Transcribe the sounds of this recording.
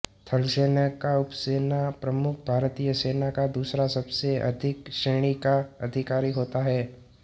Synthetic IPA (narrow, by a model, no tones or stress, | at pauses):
t̪ʰɐlseːnakaʊpseːnapɾɐmʊkʰbʱaːɾt̪iːjəseːnakad̪uːsɾasɐbseʔɐ̰d̪ʱɪkʃeːɽ̃ikaɐd̪ʱɪkaːɾiɦoːt̪aɦɛː